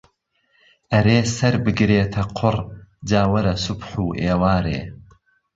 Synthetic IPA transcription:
ʔɐɾeːsɐɾbɨɡɾeːt̪ʰɐqʰʊrd͡ʒaːwɐɾɐsʊbħuːʔeːwaːɾḛː

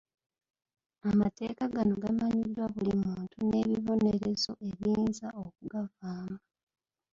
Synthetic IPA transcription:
amate̞ːkaɡano̞ɡamaɲidːwaβulimuːntune̞βiβo̞ne̞ɾe̞zo̞e̞βiːnzaok̚uɡavaːma

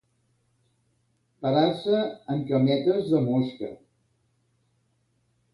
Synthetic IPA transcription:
pəɾasəəmkəmɛt̪əzðəmoskə̰

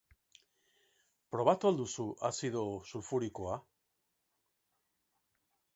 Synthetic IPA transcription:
pɾo̞β̞at̪uald̪usuʔasiðosulfuɾikoa

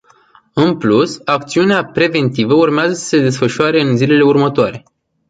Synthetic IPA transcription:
ɨnplusak̚t̪siuneapɾe̞ve̞nt̪ivəurmeazəsə̥se̞d̪e̞sfəʃʊaɾe̞ɨnzile̞le̞urmət̪oaɾe̞

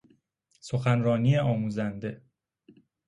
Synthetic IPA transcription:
so̞xænɾɒːniːeɒːmuːzænd̪e̞

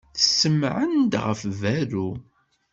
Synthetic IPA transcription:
θəsːəmʕənd̪ʁə̰fvæɾu

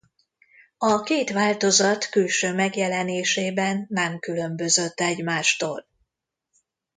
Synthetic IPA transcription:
ɒkeːt̪ʋaːlt̪o̞zɒt̪kylʃøːmɛɡjɛlɛneːʃeːbɛnːɛmkylø̞mbø̞zøt̪ːɛɟmaːʃt̪oːl

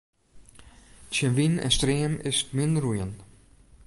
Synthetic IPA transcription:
sənʋinɛ̰nstriːəmɪstmɪndrujən

